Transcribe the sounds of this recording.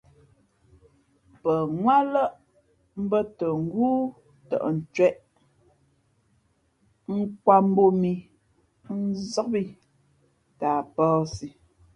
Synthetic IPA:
pə˨ŋwa˦lə˦ʔ | m̩˦bə˦tə˨ŋ̩˦ɡuː˦ | tə̰˨ʔn̩˨t͡ʃwɛ˦˨ʔ | ŋ̩˦kwa˨m̩˦bo˨mi˨ | n̩˦zɔ˦kbi˦ | ta˨pɔː˦si˨

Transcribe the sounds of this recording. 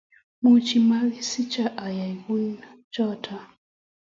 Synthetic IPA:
mu˨t͡ʃi˨ma˦li˦si˦t͡ʃa˦˨ʔa˨ja˨jku˦n | t͡ʃɔ˦tʰa˨

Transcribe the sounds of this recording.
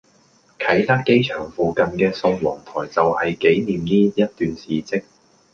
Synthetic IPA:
kʰɐ˨˥jt̪aː˥kːe˥jt͡ʃʰœː˨˩ŋfuː˨kɐ˨nkɛː˧sʊ˧ŋwɔː˨˩ŋt̪ʰɔː˨˩jt͡sɐ˨whɐ˨jke˨˥jniː˨mniː˥jɐ˥t̚t̪yː˨nsiː˨t͡sɪ˥k̚

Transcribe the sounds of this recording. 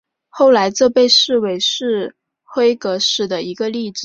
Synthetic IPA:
xo˥˩ʊla˧˥ɪt͡sɤ˥˧pe˥˧ɪʂɻ̩˥˩we˧˥ɪʂɻ̩˥˩ | xwe˥ɪkɤ˧˥ʂɻ̩˨˩d̪ə˦i˧˥ɡə˧li˥˩ʈ͡ʂɻ̩˨˩˦

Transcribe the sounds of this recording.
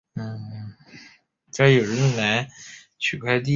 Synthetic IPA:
n̩˥˩ | t͡ɕa˥jo˨˩ɻə˧˥n˨˩na˧˥ | t͡ɕʰy˨˩kʰwa˥˧ɪt̪̬i˥˩

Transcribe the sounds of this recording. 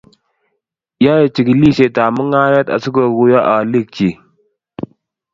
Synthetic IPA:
ja˦je˨t͡ʃi˨ɡli˦se˨taː˨mə˦ŋaː˦ja˦t̪a̰˨su˦ɡo˨ɡu˨ja˦ʔa˨li˦˨k̚t͡ʃi˨

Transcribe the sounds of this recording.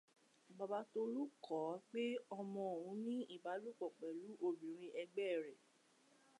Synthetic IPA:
ba˧ba˨˦to˧lu˦kʰɔ˨˦k͡pe˦ɔ˧mɔ̃˧o˨ɾũ˨˧˦nĩ˦i˦˨ba˨˦lu˦˨k͡pɔ˨k͡pɛ˨lu˨˦ʔo˦˨bĩ˨˦ɾ̃ĩ˧ʔɛ˧ɡ͡bɛ˦˨ɾɛ˨

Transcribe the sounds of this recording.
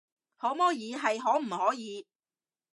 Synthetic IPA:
hɔː˨˥mɔː˥jiː˨˧ɦɐ˨jɦɔː˨˥m̩˨˩hɔː˨˥jiː˨˧

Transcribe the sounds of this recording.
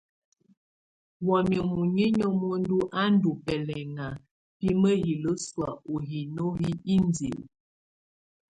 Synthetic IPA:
wɔ˨mjo˨mu˨ɲe˦ɲɔ˦mɔ˦n˦du˦ʔa˦n˦du˨pɛ˨lɛ˨ŋa˨ | pi˦mə˦ɣi˨lə˦swa˨o˨ɦi˨no˦ɣi˦i˦n˦d͡zḛ˨l

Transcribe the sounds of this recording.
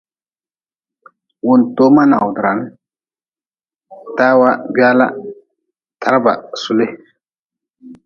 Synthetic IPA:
wu˨nto˦ma˦na˨wdɾa˨˦n | ta˦wa˦ɡa˦la̰˦ | tʰa˦ɾba̰˨su˨le˦

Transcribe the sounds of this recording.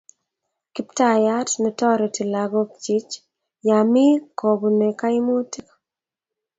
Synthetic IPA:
ki˦pta˦ja˦tnɛ˨tɔ˦ɾɛ˨ti˨la˨ɡo˦k̚t͡ʃi˦t͡ʃ | ja˨mɪ˦ko˨bu˨ne˨ka˦ɪ˦mo˦ti˦kḁ˦

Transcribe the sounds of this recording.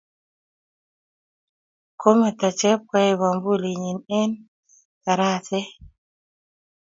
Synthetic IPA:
kʰo˦me˨t̪a˨t͡ʃɛ˦p̚ka˦jβa˨mbu˦li˨ɲi˨ne˦n | ta˨ɾa˦te˦

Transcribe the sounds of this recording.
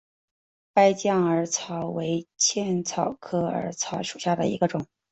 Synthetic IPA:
pa˥ɪt͡ɕjɑ˥˩ŋə˞˧˥t͡sʰɑ˧˥ʊwe˧˥ɪt͡ɕʰjɛ˥˩nt͡sʰɑ˨˩ʊkʰɤ˥ə̰˞˧˥t͡sʰɑ˧˥ʊʂu̥˨˩ɕja˥˩d̪ə̰˩ḭ˧˥ɡə˧ʈ͡ʂʊ˨˩˦ŋ

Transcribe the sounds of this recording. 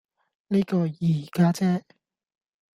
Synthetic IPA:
niː˥kɔː˧jiː˨˩kaː˥t͡sɛː˥

